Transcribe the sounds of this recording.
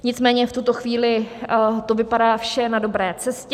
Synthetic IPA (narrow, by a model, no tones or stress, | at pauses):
ɲɪt͡smɛːɲɛft̪ut̪o̞xviːlɪt̪o̞vɪpadaːfʃɛnado̞bɾɛːt͡sɛsc